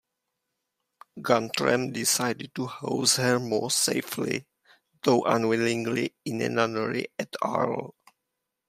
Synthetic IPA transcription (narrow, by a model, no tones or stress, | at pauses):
ɡãntʰɹɛ̰̃mdisaɪdɪd̚tuhozhə˞mɔɹseɪflḭ | ðoʊʔãnwɪlĩŋliĩnɛ̰̃nanəɹḭɛtʰa̰l